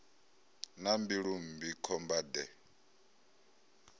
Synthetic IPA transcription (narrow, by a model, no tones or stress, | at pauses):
nambiɺumbikʰɔmbad̪ɛ